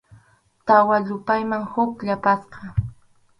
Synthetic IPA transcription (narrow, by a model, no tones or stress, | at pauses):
t̪awaʎʊpajmaŋhʊkʎapasqɑ